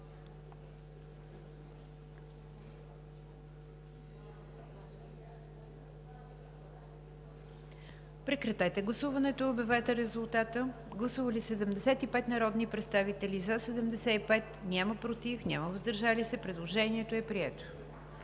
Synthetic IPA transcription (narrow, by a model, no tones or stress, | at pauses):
pɾɛkɾɐt̪ajt̪ɛɡlˠɐsuvɐnɛt̪oːbʲjɛvɛjt̪ɛɾɛzulˠt̪at̪ə | ɡlˠɐsuvəlisɛd̪ɛmd̪ɛsɛt̪ipɛt̪nɐɾɔd̪nipɾɛt̪st̪avit̪ɛlizasɛd̪ɛmd̪ɛsɛipɛt̪nʲaməpɾot̪ifnʲaməvəzd̪əɾʒalisɛpɾɛd̪lˠoʒɛniɛt̪oɛpɾiɛt̪o̥